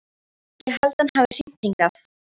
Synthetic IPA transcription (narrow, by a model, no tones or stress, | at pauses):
jɛɣhalt̪anhaːvɪr̥ɪt̪iŋkaθ